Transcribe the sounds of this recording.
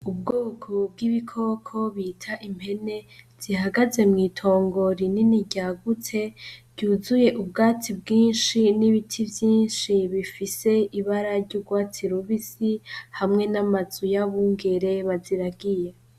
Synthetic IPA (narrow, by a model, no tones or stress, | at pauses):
ub̚ɡoːkʰob̚ɡiβikʰo̞ːkʰo̞βiːtʰaʔimhe̞ne̞z̥ihaɡaze̞mŋiːtʰo̞ːŋɡo̞ɾininiɟaɡutʰe̞bɟuːzuje̞ʔub̚ɡaːtʰib̚ɡiːnʃiniβitʰivjiːnʃiβifise̞iβaɾaɾɟuːɡwaːt͡sʰiɾuβizihamŋe̞namazujaβuːŋɡe̞ɾe̞βaziɾaɡije